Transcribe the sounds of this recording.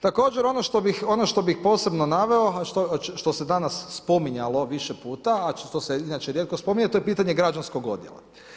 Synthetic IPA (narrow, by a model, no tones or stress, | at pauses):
t̪ako̞ːd͡ʑeɾo̞noʃt̪obixo̞noʃt̪o̞bixpo̞ːse̞bnonaʋe̞oʃt̪oʃt̪o̞se̞d̪anasːpomiɲalˠo̞ʋiʃepuːt̪aaʃt̪oseinat͡ʃeɾjet̪̚kospo̞miɲet̪ojepiːt̪aɲeɡɾad͡ʒansko̞ɡo̞̰d̪jḛlˠa̰